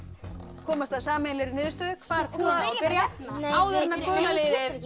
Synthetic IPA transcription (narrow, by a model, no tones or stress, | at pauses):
kʰɔːmast̪aðsaːmɛlɪɾɪnɪːðʏst̪œːðʏkʰvaːɾ̥kʰuːaapɪɾjaaːwðɛnakœːnaleːðɪð